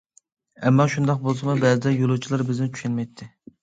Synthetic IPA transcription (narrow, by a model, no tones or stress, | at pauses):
ɛmːɑʃund̪ɑq̚bolˠs̬ɨmubɛzɨd̪ɛjolˠut͡ʃʰilˠɑɾbɪznɪt͡ʃʰy̥ʃɛnmɛjt̪ʰːɪ